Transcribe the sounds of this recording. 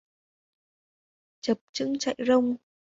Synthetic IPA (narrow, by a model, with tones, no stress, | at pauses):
t͡ɕə˨˩p̚t͡ɕɨ̰˧˥ŋt͡ɕa̰˧˨jzə˧wŋ͡m